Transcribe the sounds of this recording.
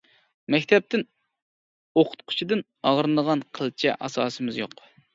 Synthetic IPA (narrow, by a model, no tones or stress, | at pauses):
mɛkʲt̪ʰɛp̚t̪ɪn | oqʰʊ̥t̪̚qʰʊ̥t͡ʃʰid̪ɨn | ɑʁɾɨnəʁɑnqʰəlˠt͡ʃʰɛ̰ʔɑsɑːsɨmɪzjo̰q